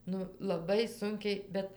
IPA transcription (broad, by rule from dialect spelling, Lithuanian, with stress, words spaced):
ˈnʊ lˠɐˈbɐɪ ˈsʊŋʲkʲɛɪ ˈbʲɛt